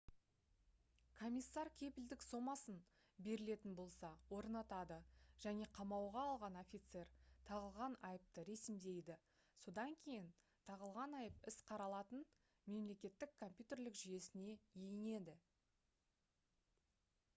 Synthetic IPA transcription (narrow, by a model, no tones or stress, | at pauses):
kʰo̞mʲijsːɑɾkʲʰe̞pɪld̪ɪkso̞mɑsən | be̞ɾɪle̞t̪ɪnbo̞lˠsɑwo̞ɾnɑt̪ɑd̪əʒ̥æne̞qʰɑmɑwʁɑːlˠʁɑno̞fʲit̪se̞ɾt̪ʰɑʁəlˠʁɑnɑjəp̚t̪əɾe̞sɪmd̪e̞jd̪ɪ | so̞d̪ɑŋkʲʰe̞jɪn | t̪ʰɑʁəlˠʁɑnɑjəpɪsqʰɑɾɑlˠɑt̪ən | me̞mle̞kʲe̞t̪ːɪkʰːo̞mpʲjut̪e̞rlɪkʒyje̞sɪne̞jejɪne̞d̪ɪ